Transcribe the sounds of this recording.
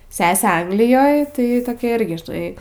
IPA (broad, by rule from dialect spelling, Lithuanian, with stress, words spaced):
ˈsʲæːsʲeː ˈɐŋɡlʲɪjoːj tɐɪ toːˈkʲɛ ˈɪrʲɡʲɪ ʒʲɪˈnɐɪ